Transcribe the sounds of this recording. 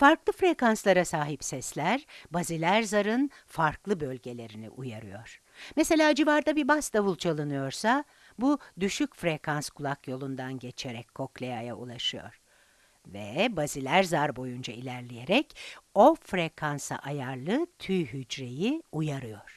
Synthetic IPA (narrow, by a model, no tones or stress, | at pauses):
faɾklˠɯfɾekanslˠaɾasaːɦipsɛslʲæɾbazilʲæɾzaɾɯn | faɾklˠɯbø̞lʲɟe̞lʲe̞ɾinḭʔujaɾɯjo̞ɾ̥ | mese̞lʲaːd͡ʒivaɾd̪abibasd̪avulˠt͡ʃʰalˠɯnɯjo̞ɾsa | bud̪yʃycfɾekʰanskʰulˠakjo̞lˠund̪anɟe̞t͡ʃʰeɾɛcʲkʰːo̞klʲejajaulˠaʃɯjo̞̰ɾ̥ | vɛbazilʲæɾzaɾbo̞jund͡ʒailʲæɾlʲeje̞ɾɛco̞fɾekʰansa̰ʔajaɾlˠɯt̪ʰyjɦyd͡ʒɾe̞jiujaɾɯjo̞ɾ̥